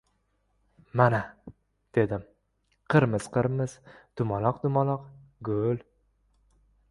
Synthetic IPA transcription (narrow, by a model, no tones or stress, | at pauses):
mana | d̪̥e̞d̪ɪm | qʰɨɾmɪz̥qʰɨɾmɪz̥d̪̥ʊmɒlˠɒqd̪ʊmɒlˠɒqɡʊl